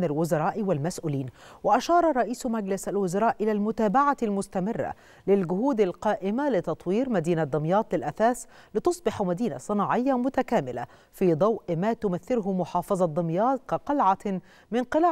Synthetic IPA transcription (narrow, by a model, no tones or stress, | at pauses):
nalwʊzɑɾˤɑːʔwalmasʔuːliːnwaʔaʃɑːɾˤɑɾˤɑʔiːsmaɡlɪsalwʊzɑɾˤɑːʔʔɪlaːlmʊt̪aːbaʕalmʊst̪amɪrːa̰ | lɪlɡʊɦuːd̪alqɑːʔɪmalɪt̪ɑt̪ˤwiːɾmad̪iːnad̪ˤɨmjɑːt̪ˤlɪlʔasaːs | lɪt̪ʊsˤbɪħmad̪iːna̰sˤɨnɑːʕɪjːamʊt̪akaːmɪla̰ | fiːd̪ˤɑwʔmaːt̪ʊmaθːɪɾʊɦʊmʊħɑːfɑzˤɑd̪ˤːɑmjɑːt̪̚kɑqɑlʕa | mɪnqɪla